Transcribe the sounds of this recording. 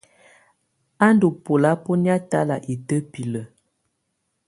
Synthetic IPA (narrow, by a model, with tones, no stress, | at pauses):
a˦ndu˨po˨la˨˦po˦ni˦a˦ta˦la˨ʔi˨tə˦pi˨lə˨